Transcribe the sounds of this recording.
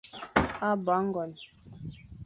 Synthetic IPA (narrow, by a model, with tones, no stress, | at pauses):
a˦˨ba˨˦ŋ̩˦ɡɔ˨n